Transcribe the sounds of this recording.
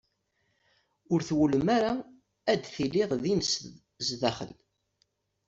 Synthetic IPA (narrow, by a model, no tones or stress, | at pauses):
ʊɾθwələmæɾa | æd̪θilːɪðˤðins | zðæχə̰l